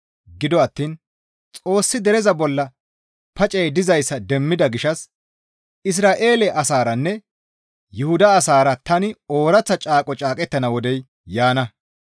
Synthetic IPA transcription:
ɡɪd̪ɔɐt̪ːiːn | t͡sʼo̞ːsːɪd̪ɛɾɛzɐbɔlːɐ | pɐt͡ʃʼɛjd̪ɪzɐjsːɐd̪ɛmːɪd̪ɐɡɪʃɐs | ɪs̬ɾaːʔe̞ːlɛʔɐsaːɾɐnːɛ | jʊhʊd̪ɐːsaːɾɐt̪ɐnɪoːɾɐt͡sːɐt͡ʃʼaːkʼɔt͡ʃʼaːkʼɛt̪ːɐnɐwɔd̪ɛj | jaːnɐ

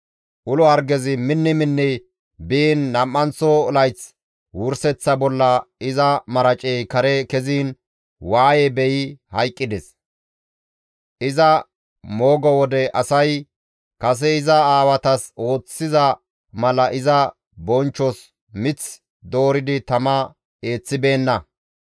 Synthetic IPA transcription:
ʔʊlɔɐɾɡɛzɪmɪnːɪmɪnːɛ | biːnːɐmːɐnt͡sːɔːlɐjt͡s | wʊɾsɛt͡sːɐbɔlːɐɪzɐmɐɾɐt͡ʃʼejkɐɾɛkɛziːn | waːjɛbɛjɪhɐjkʼːɪd̪ɛs | ʔɪzɐ | moːɡɔwɔd̪ɛʔɐsɐj | kɐs̬ɛɪzɐaːwɐt̪ɐso̞ːt͡sːɪzɐ | mɐlɐʔɪzɐ | bɔnt͡ʃːɔs | mɪt͡s | d̪o̞ːɾɪd̪ɪt̪ɐmɐ | e̞ːt͡sːɪbe̞ːnːɐ

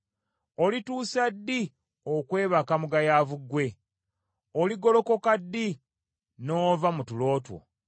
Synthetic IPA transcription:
o̞lituːsadːi | okwe̞ːβakamuɡajaːvuɡwe̞ | oliɡo̞lo̞ko̞kadːi | noːvamutulo̞ːtwo̰

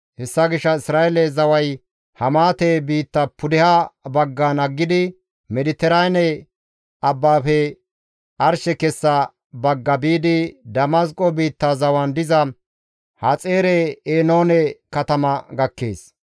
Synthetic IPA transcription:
hɛsːɐɡɪʃːɐɪsɾaːɛlɛzɐwɐj | hɐmaːt̪ɛbiːt̪ːɐpʊd̪ɛhɐbɐɡːanɐɡːɪd̪ɪ | mɛd̪ɪt̪ːɛɾɐjnɛ | ɐbːaːfɛ | ɐɾʃɛkɛsːɐ | bɐɡːɐbiːd̪ɪd̪ɐmɐs̬kʼɔbiːt̪ːazɐwɐnd̪ɪzɐ | hɐt͡sʼeːɾɛeːnoːnɛkɐt̪ɐmɐɡɐkːḛːs

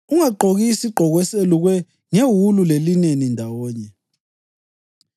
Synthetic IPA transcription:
uŋaǃʱoɣisiɡ͡ǃʱɔɣɔɛseluɣwɛ | ŋeɦululelinenindʱawɔːɲɛ

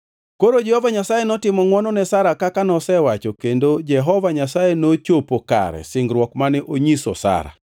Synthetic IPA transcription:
koɾod͡ʒɛhɔvaɲasajenɔtɪmɔŋwɔnɔnɛsaɾakakanɔsɛwat͡ʃokendod͡ʒɛɦɔvaɲasajenot͡ʃopoka̰ɾɛ̰sɪŋɡɾwɔkmanɛʔoɲiso̰sa̰ɾa̰

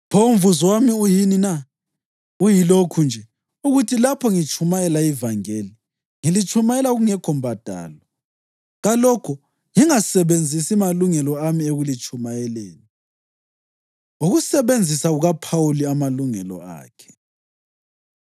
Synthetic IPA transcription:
pʰoɱvuzwamiujinina | ujilokʰund͡ʒʱɛ | uɣutʰilapʰɔŋit͡ʃʰʼumajɛlaivaŋeli | ŋilit͡ʃʰʼumajɛlaɣuŋɛkʰɔmbʱad̥ʱa̰ːlɔ | ɣalɔkʰɔ | ŋiŋasɛβend͡zʱisimaluŋɛlɔamieɣulit͡ʃʰʼumajɛleːni | uɣusɛβend͡zʱisaɣuɣapʰawuliamaluŋɛlɔ̰a̰ːkʰɛ̥

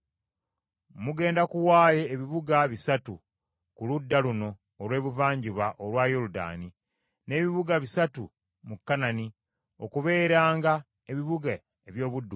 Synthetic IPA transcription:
muɡe̞ːndakuwaːje̞ːβiβuɡaβisatu | kuludːaluno̞ː | lwe̞ːβuvaːɲɟiβaʔolwaːjoluda̰ːni | ne̞ːβiβuɡaβisatu | mukːanani | o̞̰kuβe̞ːɾaːŋɡa | eβiβuɡa | eβjo̞ːβudːu

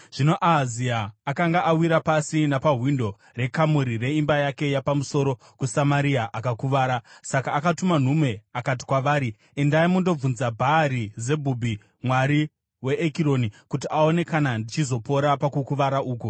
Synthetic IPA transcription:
ʐ̥ino̞ʔaziaːkaŋɡaʔawiɾapasinapaɦwindo̞ | re̞kamuɾire̞imbajake̞japamuso̞ɾo | kusamaɾiaʔakakuʋaːɾasakaːkatuman̤umwe̞akat̬i̥kwaʋaːɾi | endaimundo̞unzabʱaːɾize̞bʱubʱi | mwaɾi | we̞ʔːkiɾo̞nikutiʔao̞ne̞kanandit͡ʃizo̞po̞ɾapakukuʋaɾaʔuːku

